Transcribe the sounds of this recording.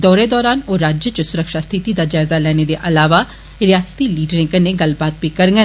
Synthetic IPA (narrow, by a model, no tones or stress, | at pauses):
d̪ɔːɾeːd̪ɔːɾaːnoːɾaːd͡ʒjət͡ʃəsʊɾəkʃaːst̪ʰɪt̪id̪aːd͡ʒaːɪzaːlɛːneːd̪eːʔɐlaːʋaː | ɾɪjaːst̪iːliːɖɾẽːkənːeːɡəlbaːt̪̚biːkəɾŋɡən